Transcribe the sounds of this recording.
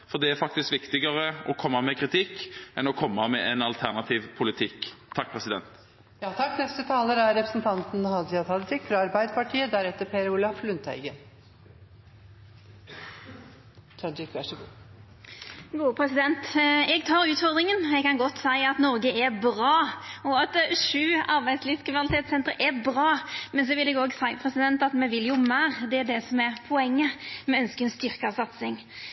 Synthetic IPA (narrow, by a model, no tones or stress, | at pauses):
fɔʁd̪ɛæɾfɑk̚t̪ɪskʋɪkt̪ɪɡəɾəʔɔkʰɔmːɑmɛkʰʁɪt̪ʰɪkːʔɛnɔkʰɔmːɑmɛʔɛnɑlt̪ʰæʁnɑt̪ʰiːʋpʰʊlɪt̪ʰɪkʰːɑk̚ːpʰɾɛsɪd̪ɛ̰nt̪ | jɑːt̪ʰɑkːnɛst̪ət̪ʰɑːləɾæɾɛpɾəsnt̪ʰɑnt̪n̩hɑd͡ʒɪɑt̪ʰɑlɪt̪ʰɪkːfɾɑɑɾbæɪd̪əpɑʈʰiːəd̪æɾɛt̪ːəɾpʰeːɾʊlɑflʉnt̪æ̰ɪɡən | t̪ʰɑd͡ʒɪkʋæʂəɡuː | ɡuːpʰɾɛsɪd̪ɛnt̪ɛɡt̪ʰɑːɾʉːt̪fɔʁd̪ɾɪŋənɛɡkɑnɡɔt̪ːsæɪɑt̪nɔɾɡəɛbɾɑːɔɑt̪ʃʉːɑɾbæɪd̪sliːʋskʰɾɪmnɑlɪt̪ʰeːt̪sɛnt̪əɾəʔɛbʁɑːmɛnsɔʋɪlɛɡoːɡsæɪpʰʁɛsɪd̪ɛnt̪ɑt̪mɛʋɪljʊmæːʁd̪ɛæɖɛsɔmɛɾpʰɔɛŋːəmɛœnskəɛnst̪ʏʁkɑsɑt̪sɪŋ